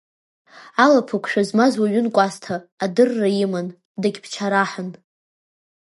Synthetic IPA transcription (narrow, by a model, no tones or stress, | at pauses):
alapʰakʷʰʂʷᶣazmazwaɥʊnkʷʼastʰaːdɨrːaiman | daɡʲpʰt͡ʃʰaɾaħan